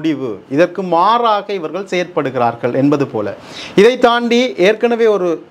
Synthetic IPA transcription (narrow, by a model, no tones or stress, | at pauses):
ɽɪʋɯ̰ɪðɐrkɯmaːraːɣɐɪʋɐɾɣɐɭsɛːɐɾpɐɽɯɣɪraːɾɣɐɭʔɛnbɐðɯpo̰ːlɐ̰ | ɪðɐɪt̪ːaːɳɖiʔeːɾkɐɳɐʋeːɔɾɯ